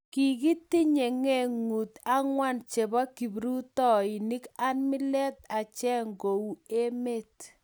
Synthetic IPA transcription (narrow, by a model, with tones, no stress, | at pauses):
ki˨ki˦ti˦ɲe˨ŋe˦˨ŋu˨ta˦ŋwa˦nt͡ʃe˨bɔ˦ki˨bɾu˦tɔ˦ɪ˨ni˦ka˦nmɪ˦lɛ˦t̪̚a˨t͡ʃɛ˦ŋɡo˨u˨e˦me˦t̚